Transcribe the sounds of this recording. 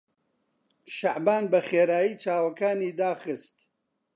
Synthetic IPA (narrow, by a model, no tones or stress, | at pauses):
ʃaʕbaːnbɐχeːɾaːjiːt͡ʃaːwɐkaːniːd̪aːχɨst̪